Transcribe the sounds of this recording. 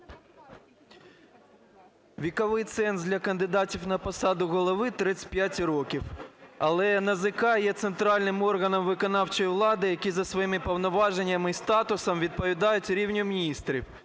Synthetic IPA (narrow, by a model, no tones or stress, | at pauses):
ʋʲikɐʋɪjt̪sɛnd̪ʲlʲɐkɐnd̪ɪd̪ɑtʲiwnɐpɔsɑd̪ʊɣɔlˠɔʋɪt̪ɾɪsʲpʲjatʲɾɔkʲiwɐlˠɛnɐzɪkɑjɛt̪sent̪ɾɑlʲnɪmɔrɣɐnɔmʋɪkɔnɑwt͡ʃɔjwlˠɑd̪ɪjɐkʲizɐsʋɔjimɪpɔwnɔʋɑʒenʲːɐmɪist̪ɑt̪ʊsɔmʋʲid̪̚pɔʋʲid̪ɑjʊtʲɾʲiwnʲʊmʲnʲist̪ɾʲḭw